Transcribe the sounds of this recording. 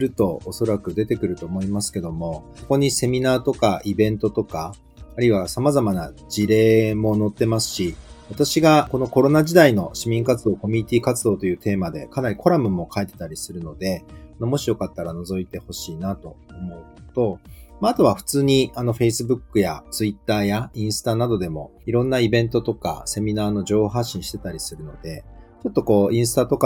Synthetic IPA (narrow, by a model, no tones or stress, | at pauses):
ɾɯ̟t̪o̞oso̞ɾakɯ̟d̪e̞t̪e̞kɯ̟ɾɯ̟t̪o̞ːmo̞imasɨ̥ke̞d̪o̞mo̞so̞ko̞ɲ̟ise̞mʲinaːt̪o̞kaʔibẽ̞nt̪o̞t̪o̞kaː | ɾɯiβasamazamanad͡ʑiɾe̞ːmo̞no̞t̪ːe̞masɨ̥ɕiβat̪aɕiɡako̞no̞ko̞ɾo̞naʑid̪aino̞ɕimʲĩŋkat͡sɨd̪o̞ːko̞mʲiɲ̟it̪ʲiːkat͡sɨd̪o̞ːt̪o̞jɯ̟ːt̪e̞ːmad̪e̞̰kanaɾʲiko̞ɾamɯ̟mo̞kʰaet̪e̞̥t̪aɾʲisɨɾɯ̟no̞d̪e̞anomo̞ɕijo̞kat̪ːaɾano̞zo̞it̪e̞ho̞ɕiːnat̪o̞ːmo̞ɯ̟t̪o̞maːt̪o̞βaɸɯ̟̥t͡sɨːɲ̟iano̞ɸe̞isɨbɯ̟kːɯ̟jat͡sɨit̪ːaːjaĩɰ̃sɨ̥t̪anad̪o̞d̪e̞mo̞iɾõ̞nːaibẽ̞nt̪o̞t̪o̞ka̰se̞mʲinaːno̞ʑo̞ːhoɦaɕːĩɕi̥t̪e̞t̪aɾʲisɨɾɯ̟no̞d̪e̞t͡ɕo̞t̪ːo̞ko̞ːĩɰ̃sɨ̥t̪at̪o̞k